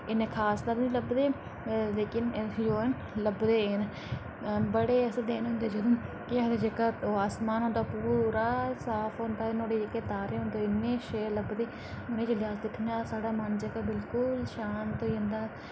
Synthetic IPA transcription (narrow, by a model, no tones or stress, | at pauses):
ɪnːẽːkʰaːst̪əɾnĩləbd̪eː | leːkɪnd͡ʒoːən | ləbd̪eːn | bəɽeːəsd̪eːnɦʊ̃nd̪eːd͡ʒəd̪õː | kɪad̪ed͡ʒɪkət̪oːaːsmaːnɦʊ̃nd̪aːpuɾaːsaːpʰɦõːnd̪aːɪnõːɽeːd͡ʒɪkət̪aːɾeːɦʊnd̪oːɪnːẽːʃeːɾləbd̪eː | ʊnẽːd͡ʒəlɪjaːsd̪ɪkʰːnaːsaːɽaːmənd͡ʒəkəbɪlkʊlʃaːnt̪oʊ̃nd̪aː